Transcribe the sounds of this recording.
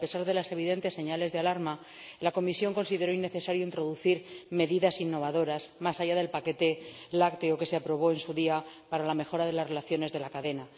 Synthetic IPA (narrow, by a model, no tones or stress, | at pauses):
pe̞saɾðe̞lase̞β̞iðe̞nt̪e̞sːe̞ɲale̞zðealaɾma | lako̞misjo̞ŋko̞nsiðe̞ɾo̞inːe̞θe̞saɾjo̞int̪ɾo̞ðuθiɾme̞ðiðasinːo̞β̞aðo̞ɾazmasaʝaðe̞lpake̞t̪e̞ | lakt̪eoke̞seapɾo̞β̞o̞e̞nsuðia | paɾalame̞xo̞ɾaðe̞lazre̞laθjo̞ne̞zðe̞lakaðe̞na